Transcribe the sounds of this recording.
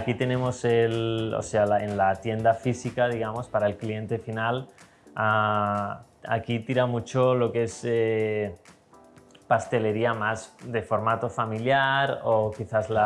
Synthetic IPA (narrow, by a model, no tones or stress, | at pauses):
akit̪e̞nẽ̞mo̞se̞lo̰se̞alaenlat̪je̞nd̪afisikaðiɣ̞amo̞spaɾaelklie̞nt̪e̞final | a | a̰kit̪iɾamut͡ʃo̞lo̞kee̞se | past̪e̞le̞ɾiamasd̪e̞fo̞ɾmat̪ofamiljaɾokiθazla